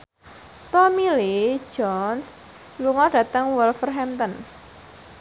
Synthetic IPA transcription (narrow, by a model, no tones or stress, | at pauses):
t̪ɔmili̥d͡ʒɔns | luŋɔɖ̥ä̤t̪əŋwəlfərɦɛmt̪ən